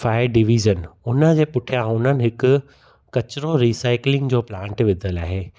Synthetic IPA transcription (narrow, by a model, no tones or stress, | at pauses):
faːjəɾɖɪʋiːʒənʊnəd͡ʑeːpʊʈʰijãʊn̤ənɪ̆ɦɪkʊ̆ | kɐt͡ɕɾoɾiːsaːɪklɪ̃ŋɡd͡ʑoːplãːɳʈʋɪd̪ʱəlaːɦeː